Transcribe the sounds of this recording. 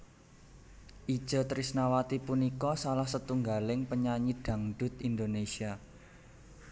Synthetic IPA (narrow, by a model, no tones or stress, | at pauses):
ʔi̥ʒ̥ɔ̤t̪ɾisnawat̪ipunikɔsalahsət̪uŋɡalɪŋpəɲaɲid̪̥ä̤ŋɖ̥ʊ̤t̪ind̪onesia